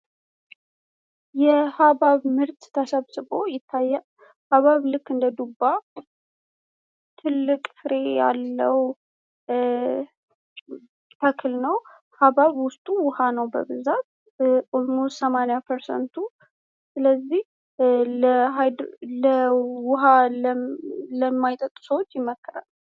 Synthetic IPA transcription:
jɛhaβaβmɨɾt̪t̪ʰəsəβsɨβo̞jɪt̪ʰːajːa | haβaβlɨkːɨnd̪əd̪ubːa | t̪ʰɨlːɨkʼfɨɾe̞ja̰lːəw | tʰəkʰɨlnəw | haβaβwʊst̪ʼuwʊhanəwbə̰bɨzat̪̚ | omosəmanjapʰəɾsə̰nt̪ʰu | sɨləzːih | ləɦajd̪ləwʊɦalələmːajt̪ʼət̪ʼsəwot͡ʃːjɪmːəkʰːɨɾa̰l

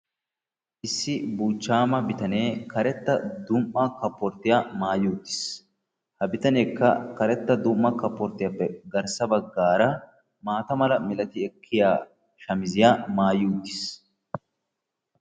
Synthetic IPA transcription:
ʔɪsːɪbuːt͡ʃːaːmɐbɪt̪ɐneːkɐɾɛt̪ːɐd̪ʊmːɐkɐpːɔɾt̪ːɪjaːmaːjuːt̪ːɪ̥s | hɐbɪt̪ɐneːkːɐkɐɾɛt̪ːɐd̪ʊmːɐkɐpːɔɾt̪ɪjɐpːɛɡɐɾsɐbɐɡːaːɾɐ | maːt̪ɐmɐlɐmɪlɐt̪ɪɛkʰːɪjaː | ʃɐmɪzɪjaːmaːjuːt̪ːɪ̥s

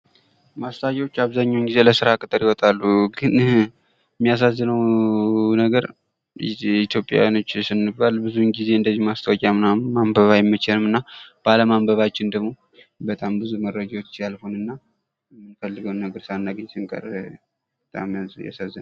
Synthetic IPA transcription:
mast̪ʰʼajɛwot͡ʃːaβzaɲːawnɡize̞ləsɨɾakʼɨt̪ʼəɾiwɔt̪ʼalːuɡɨn | mːijas̬azːɨnəw | nəɡəɾ | it̪ʰjo̞pʼja̰wjano̞t͡ʃːsɨnːɨbbalbɨzunɡize̞ɨnd̪əzimast̪ʰəwɔkʼamɨnamambəβajɛmːət͡ʃɛlɨmɨnːab̥aləmambəβat͡ʃːɪnd̪əɡmo̞ | bət̪ʼambɨzuməɾːəd͡ʒawot͡ʃt͡ʃːjalhonɨnːa | mːɨnfəlːɨɡəwnːəɡəɾsanːaɡəɲsɨŋkʼə̰r | bət̪ʼa̰mjja̰sazːɨn

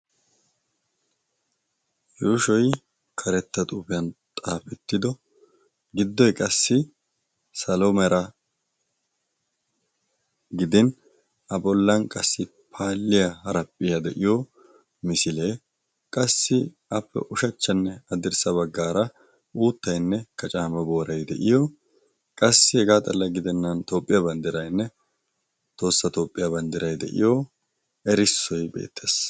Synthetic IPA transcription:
juːʃɔj | kʰɐɾɛt̪ːɐt̪ʼuːpɪjɐnt̪ʼaːfɛt̪ːɪd̪ɔ | ɡɪd̪ːɔjkʼɐsːɪ | sɐlɔmɛɾɐ | ɡɪd̪ɪn | ɐbɔlːɐnkʼɐsːɪ | pʰaːlːɪjɐhɐɾɐpʼːɪjɐd̪ɛʔɪjɔ | mɪsɪleː | kʼɐsːɪ | ɐpːɛ̰ʔʊʃɐt͡ʃːɐnːɛɐd̪ɪɾsɐβɐɡːaːɾɐ | uːt̪ːɐjnːɛkɐt͡ʃʼaːmɐbo̞ːɾɐjd̪ɛʔɪjɔ | kʼɐsːɪhɛɡaːt̪ʼɐlːɐɡɪd̪ɛnːɐnt̪o̞ːpʼːɪjaːbɐnd̪ɪɾɐjnːɛ | t̪o̞ːsːɐt̪o̞ːpʼːɪjaːbɐnd̪ɪɾɐjd̪ɛ̰ʔɪ̰jɔ | ɛɾɪsːɔjbḛːt̪ːes

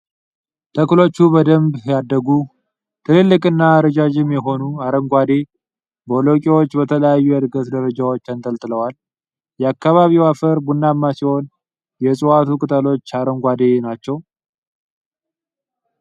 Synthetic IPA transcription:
t̪ʰəklo̞t͡ʃːubəd̪əmbjad̪ːəɡu | t̪ʰɨlɨlːɨkʼɨnːaːɾəd͡ʒad͡ʒɪmjɛɦo̞nuaɾəŋɡʷad̪e̞ | bəolokʼewo̞t͡ʃːbət̪ʰələjajːuad̪ɡət̪d̪əɾəd͡ʒawo̞t͡ʃːant̪ʼəlt̪ʼɨləwal | jɛakːaβaβiwafəɾbunːamːasiho̞n | jɛsʼuwat̪ʰukʼɨt̪ʼəlo̞t͡ʃːaɾəŋɡʷad̪e̞nat͡ʃːɛw

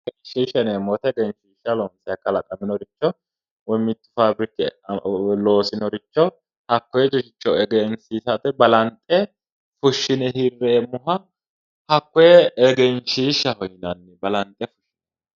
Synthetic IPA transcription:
ɡɛnʃiːʃɐnemɔt̪ɛɛɡɛnʃiːʃːɐlonsɪɐkːɐlɐkʼɐmɪnɔɾɪt͡ʃːɔ | wɔmːɪt̪ːʊ̥faːbɾɪkːɪ | lo̞ːsɪnɔɾɪt͡ʃːɔ | hɐkːɔjɛd͡ʒʊʃɪt͡ʃːɔɛɡɛnsiːsɐt̪ɛbɐlɐnt̪ʼɛ | fʊʃːɪnɛhɪrːeːmʊɦɐ | hɐkːɔjɛɛɡɛnʃiːʃɐhɔjɪnɐnːɪbɐlɐnt̪ʼːɛfʊ̥ʃːɪn

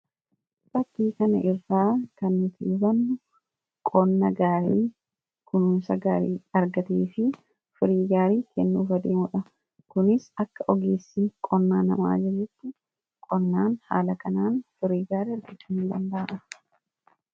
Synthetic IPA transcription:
sɐt̪ːiːkɐnɐ̰ʔɪrːaːkɐnːʊt̪ɪbɐnːʊ | kʼɔnːɐɡaːɾiː | kʊnuːnsɐɡaːɾiːɐɾɡɐt̪eːfɪ | fʊɾiːɡaːɾiːkɛnːuːfɐd̪eːmʊᶑɐ | kʊnɪsɐkːɐʔɔɡeːsːɪkʼɔnːaːnɐ̰ma̰ːd͡ʒɛd͡ʒːʊt̪ːɪ | kʼɔnːaːnha̰ːlɐkɐnaːnfʊɾiːɡaːɾɐɾɡɪt͡ʃːʊnnd̪ɐnb̪ɐɐʔɐ

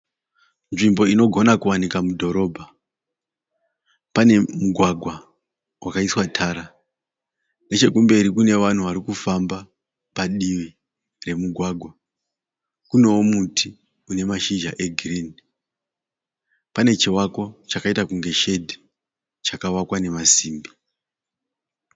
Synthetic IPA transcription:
nʐimbo̞ino̞ɡʱo̞nakuwanikamudʱo̞ɾo̞bʱa | pane̞muɡʱwaɡʱwa | wʔakaiswatʰaːɾa | ne̞t͡ʃe̞kumbe̞ɾikune̞ʋan̤uʋaɾikufamba | paɗiʋi | re̞muɡʱwaɡʱwa | kune̞womutʰi | une̞maʃiʒa̰ʔe̞ɡʱiriːn | pane̞t͡ʃiwako̞t͡ʃakaitakuŋɡe̞ʃe̞dʱi | t͡ʃakawakwane̞masiːmbi

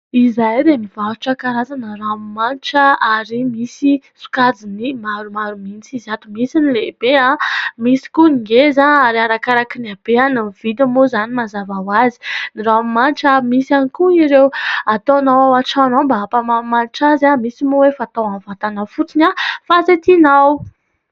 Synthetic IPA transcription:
izajɾemivauʈ͡ʂakaɾazanaɾaamimanʈ͡ʂəaɾimisisu̥kad͡zinimaɾumaɾuminit͡siziat̪umisinilebeãmisi̥kuniɡezanaɾiaɾakaɾakinab̥eanamiv̥id̪amozanimazavawazi̥niɾaamimanʈ͡ʂəmisanikuiɾewat̪onawawaʈ͡ʂanowmbaapamamaniʈ͡ʂazamisimowefaːt̪awanvat̪anəfut͡sinafaset̪inaw

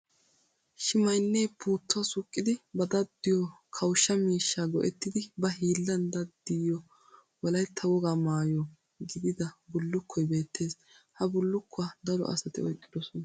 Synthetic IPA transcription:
ʃɪmɐjnːeːpʰuːt̪ːɔɐsʊkʼːɪd̪ɪbɐd̪ɐd̪ːɪjɔkʰɐwʃːɐmiːʃːaːɡɔʔɛt̪ːɪd̪ɪbɐɦiːlːɐnd̪ɐd̪ːɪjɔ | wɔlɐjt̪ʰːɐwɔɡaːmaːjɔ | ɡɪd̪ɪd̪ɐbʊlːʊkʰːɔjbe̞ːt̪ːe̞ːs | hɐbʊlːʊkʰːʊad̪ɐɾɔ̰ʔɐ̰sɐt̪ɪ̰ɔjkʼːɪd̪ɔsɔnɐ

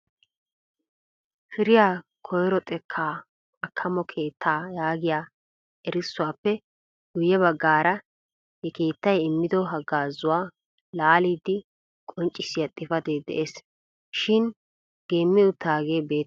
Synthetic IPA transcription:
fɪɾɪjaː | kʰɔjɾɔt̪ʼɛkʰːaː | ɐkʰːɐmɔkʰe̞ːt̪ʰːaːjaːɡɪjaː | ɛɾɪsːʊwaːpːɛ | ɡ̥ʊjɛβɐɡːaːɾɐ | hɛke̞ːt̪ːɐjɪmːɪd̪ɔɦɐɡaːzʊwaː | laːliːd̪ːɪ | kʼɔnt͡ʃʼːɪsɪjɐt̪ʼːɪfɐd̪eːd̪ɛ̰ʔeːs | ʃɪn | ɡ̥e̞ːmːɪʊt̪ːaːɡeːbe̞ːt̪ː

